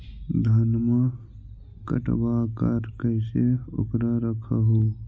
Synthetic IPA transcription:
d̪ʱɐnma | kə̰ʈbaːkaɾkəɪseʊ̰kɾaɾəkʰaɦoː

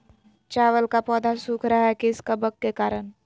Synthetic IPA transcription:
t͡ʃaːʋəlkapɔːd̪asuːkʰɾaɦɛkɪskəbəkːekaːɾən

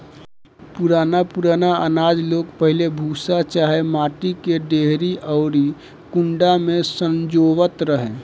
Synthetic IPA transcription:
puɾaːnapuɾaːnaənaːd͡ʒloːɡpəɦɪlebʱuːsat͡ʃaːɦemaːʈikeɖeːɦɾiʔɔːɾi | kʊ̃ɳɖamẽsə̃nd͡ʒoːʋət̪ɾəɦẽː

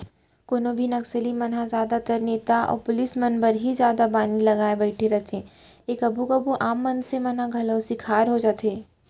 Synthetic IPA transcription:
koːnobʱinɐksəlimɐnɦazjaːd̪at̪əɾneːt̪aɔ̰ːɾpʊlɪsmɐnbəɾɦizjaːd̪abaːnilɐɡaːebɐɪʈʰeɾɐt̪ʰẽː | eːkɐbʱukabuʔaːmːɐ̃nsemɐnɦaɡʱɐloːsikʰaːɾɦod͡ʒaːt̪eː

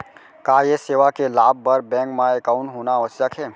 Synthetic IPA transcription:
kaːjeseːʋakelaːb̚ʱːpəɾbɛ̃ːŋkmãekaʊ̃ɳʈɦonaəʋəsjakʰeː

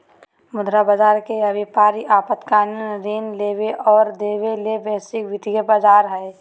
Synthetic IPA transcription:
mʊd̪ʱɾabəd͡ʒaːɾkeəbipaːɾiʔaːpət̪kannɾiːnleːweʔɔːɾd̪eːʋelebɛːsɪkʋɪd̪ijəbəd͡ʒaːɾɦɛː

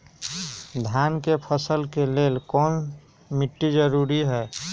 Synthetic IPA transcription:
d̪ʱjankepʰəsəlkelelkɔːn | miʈːid͡ʒəɾuɾiɦɛ

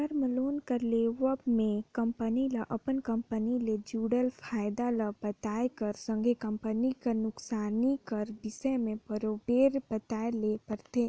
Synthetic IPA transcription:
əɾməloːnkəɾleːʋəbmẽkə̃mpəniləʔɐpənkə̃mpəniled͡ʒuːɽəlfʰaːjd̪aləbət̪aːekəɾsə̃ŋɡʱekə̃mpənikanʊksaːnikəɾbɪsəmẽbəɾoːbeːɾbət̪aːeleːpəɾt̪ʰeː

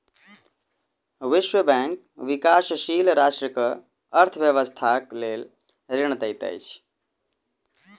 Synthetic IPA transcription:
ʋiʃwəbɛ̃ŋk̚ | ʋikasʃilɾasʈɾəkə | əɾt̪ʰəbjəʋəst̪ʰaklel | ɾɪɳ̃ət̪əjt̪ə̰jt͡ʃʰ

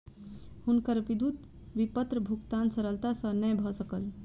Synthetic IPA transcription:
hunkəɾbid̪ut̪ | ʋipət̪ɾəbʱukt̪ansəɾəlt̪asə̃nəjbʱɔsəkəl

